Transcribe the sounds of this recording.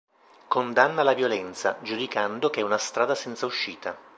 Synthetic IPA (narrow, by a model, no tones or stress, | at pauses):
kond̪anːalavjolɛnt̪sad͡ʒud̪ikand̪ok̟eɛunast̪ɾaːd̪asɛnt̪sauʃːiːt̪a